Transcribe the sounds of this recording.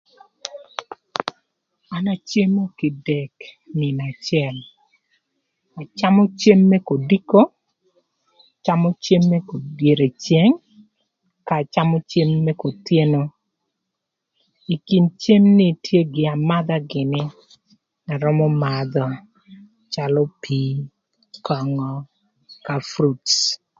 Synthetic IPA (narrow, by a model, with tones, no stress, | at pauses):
a˨na˨t͡ʃe˦mo˦kɪ˨dɛ˨k | nɪ˨na˨t͡ʃjɛ˨l | a˨t͡ʃa˦mɔ˦t͡ʃe˦mːɛ˦ko˨di˦ko˦ | t͡ʃa˦mɔ˦t͡ʃe˦mːɛ˦ko˨dje˨ɾe˨t͡ʃje˦ŋ | ka˨t͡ʃa˦mɔ˦t͡ʃe˦mːɛ˦ko˨t̪je˦no˦ | i˨ki˨nt͡ʃe˦mnɪ˦tje˦ɡɪ˨a˨ma˦d̪a˦ɡɪ˨nɪ˦ | na˨ɾɔ˦mɔ˦ma˨d̪ɔ˦ | t͡ʃa˦lɔ˦pʰi˦ | kɔ˨ŋɔ˦ | ka˨fɾu˦ts